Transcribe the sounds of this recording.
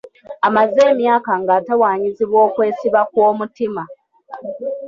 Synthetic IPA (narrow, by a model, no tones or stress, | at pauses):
amaze̞ːmjaːkaŋɡaːtawaːɲiziβwo̞ːkwe̞ːsiβakwo̞ːmutima